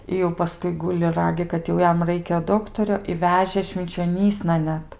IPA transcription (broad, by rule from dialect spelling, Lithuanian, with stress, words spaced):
ɪ jɛʊ ˈpɑːskʊɪ ˈɡʊlʲɪ ˈrɑːɡʲɪ kɐt jɛʊ ˈjɛm ˈrɐɪkʲɛ ˈdoːktoːrʲoː ɪ ˈʋʲæːʒʲeː ʃʲʋʲɪnʲt͡ʃʲoːˈnʲiːsnɐ ˈnʲɛt